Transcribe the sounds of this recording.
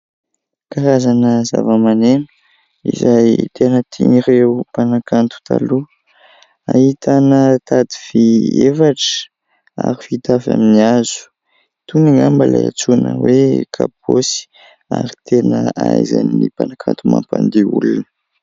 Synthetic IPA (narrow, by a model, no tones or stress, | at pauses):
kaɾazanəzavəmanenu̥ | izajt̪ʰenət̪ʰiniɾeupanakant̪u̥t̪ʰalu | ait̪ʰanət̪ad̪iv̥iefaʈ͡ʂə̥ | aɾifit̪afa̰miniazu̥ | t̪uniŋambalaa̰t͡sunəwekʰap̚osi̥ | aɾit̪ʰenəajzaninipanakʰant̪umampand̪eṵlunə